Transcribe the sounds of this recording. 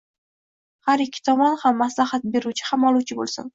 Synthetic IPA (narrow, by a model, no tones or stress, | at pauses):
haɾɪkʲʰːɪ̥t̪ʰɒmɒnhamːaslahat̪̚be̞ɾuwt͡ʃʰɪ̥hamɒlˠuwt͡ʃʰɪbo̰lˠsʊ̰n